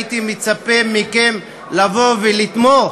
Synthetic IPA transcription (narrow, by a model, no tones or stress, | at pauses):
it̪imet͡sapemikem | lavo̞velit̪mo